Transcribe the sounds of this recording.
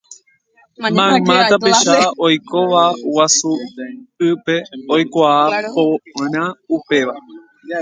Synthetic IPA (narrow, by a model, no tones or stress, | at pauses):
mãmãt̪apeʃaʔojko̞ʋawasu | ɨpeojkʷaːpoɾ̃ãupe̞ʋa